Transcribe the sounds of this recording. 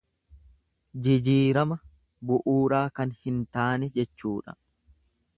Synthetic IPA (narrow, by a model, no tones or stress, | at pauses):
d͡ʒɪd͡ʒiːɾɐmɐ | bʊʔuːɾaːkɐnhɪnt̪aːnɛd͡ʒɛt͡ʃːuːᶑɐ̰